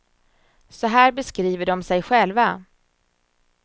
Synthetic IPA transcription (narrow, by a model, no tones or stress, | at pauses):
sɔɦæːɾbɛskɾiːvəɖɔmsɛjɧɛlva